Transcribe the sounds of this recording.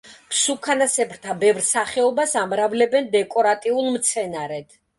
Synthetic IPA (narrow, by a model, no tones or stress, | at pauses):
pʰsukʰanasɛpʰɾt̪ʰabɛvɾsaχɛɔbasamɾavlɛbɛnd̪ɛkʼɔɾat̪ʼiulˠmt̪sʰɛnaɾɛd̪̥